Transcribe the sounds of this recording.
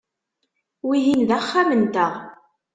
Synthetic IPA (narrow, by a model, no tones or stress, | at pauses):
wijinðæχːamənt̪əʁ